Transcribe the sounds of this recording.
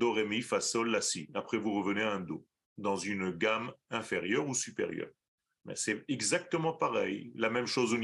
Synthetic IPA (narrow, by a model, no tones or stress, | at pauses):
d̪ɔʁɛmifasɔlːasiapχɛvuʁəvəneaɛ̃d̪o̰ | d̪ɑ̃zynɡamɛ̃feʁjœʁusypḛʁjœ̰ːʁ | mɛ̰sɛɛɡzak̚t̪əmɑ̃paʁɛjlamɛmʃozon